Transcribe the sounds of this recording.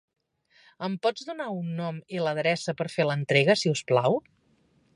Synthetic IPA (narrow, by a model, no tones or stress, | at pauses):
əmpɔd͡zðunaunːɔmiləðɾɛsəpəɾfelənt̪ɾeɣəsiusplaw